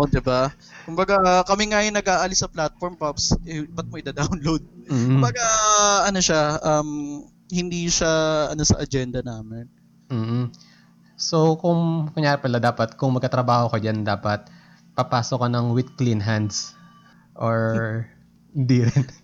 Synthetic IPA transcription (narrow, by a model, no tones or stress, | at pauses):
ʔod̪ɪba | kʊmbɐɡakɐmɪŋajɪŋnɐɡʔaːʔɐlɪsɐplat̪̚foɾmpɐpsɛbɐt̪̚moʔɪd̪ad̪awnlowd̪̩̚kʊbɐɡaʔɐnoʃaʔɐm | hɪnd̪iːʃaʔɐ̰no̞sɐ̰ʔɐd͡ʒɛnd̪ɐnaːmɪn | m̩ːh̩ | sokʊŋkɐŋjaːɾɪpɐlɐd̪aːpɐt̪̚kʊŋmɐɡ̚kɐt̪ɾɐbaːhokɐd͡ʒand̪aːpɐt̪̚ | pɐpaːsokːɐnɐŋwɪd̪̚klinɦand̪s | ʔoɹ | d̪iɾɪn